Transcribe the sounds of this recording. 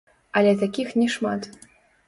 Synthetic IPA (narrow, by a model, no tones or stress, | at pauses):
ɐlʲɛt̪akʲixnʲɛʂma̰t̪